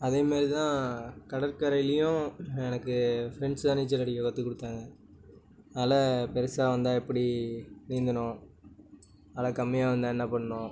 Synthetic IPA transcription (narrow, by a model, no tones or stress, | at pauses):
ɐðeːmaːɾɾit̪ãːkɐɽɐɾkɐɾɐɪjlɪjʊ̃ɛnɐkːɯfɾɛɳɖsãniːt͡ʃːɐɾɐɽijɔɣɐt̪ːɯkːɔɽɯt̪ːaːŋɡɐ | ɐːlɐpɛɾɯsaːʋɐnd̪aːɛpːɐɽiniːnd̪ɐnʊ̃ | ɐlɐkɐmːɪjaːʋɐnd̪ãːɛnːɐpɐɳːɐnʊ̃ː